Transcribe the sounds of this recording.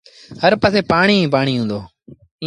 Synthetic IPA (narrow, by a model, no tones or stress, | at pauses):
həɾpəːseːpaːɳiːĩːp̬aːɳiːɦũːnd̪oː